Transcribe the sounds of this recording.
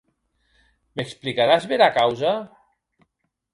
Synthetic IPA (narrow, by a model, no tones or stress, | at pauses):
meksplikaɾazβeɾakawza